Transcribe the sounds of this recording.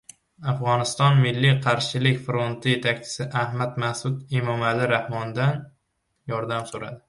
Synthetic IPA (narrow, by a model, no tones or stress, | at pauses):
afʁɒnɪst̪ɒnmɪlːɪqʰɑɾʃɪlɪkʲfɾont̪ʰɪje̞t̪ʰakʲt͡ʃʰɪ̥sɪʔahmat̪masʊd̪emɒmalɪɾahmɒnd̪an | jɒɾd̪amsoɾa̰d̪ɪ